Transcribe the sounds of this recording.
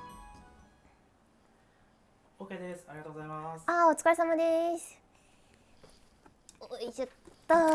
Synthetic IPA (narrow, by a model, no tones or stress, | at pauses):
oked̪esɨ̥aɾʲiɡat̪oɡozaimasaot͡sɨ̥kaesamad̪es | oiʑat̪ːa